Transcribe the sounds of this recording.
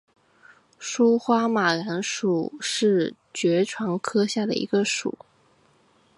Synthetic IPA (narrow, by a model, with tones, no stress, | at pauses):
ʂu˥xwa˥ma˨˩ɻa˧˥nʂu˨˩ʂɻ̩˥˩ | t͡ɕɥɛ˧˥ʈ͡ʂʰwɑ˧˥ŋkʰɤ˥ɕja˥˩d̪ə̰˩ʔḭ˧˥ɡə˧ʂṵ˨˩˦